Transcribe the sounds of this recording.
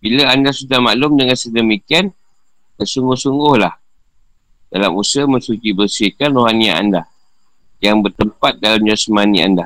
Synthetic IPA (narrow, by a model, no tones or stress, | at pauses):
biləandasudahmalʊmdəŋansədəmikian | bəsuŋɡʊhsuŋɡʊhlah | dalamusəmənsutibərsɪkanroɦania̰ʔa̰nda | jaŋbərt̪əmpat̪̚dalamd͡ʒasmania̰nda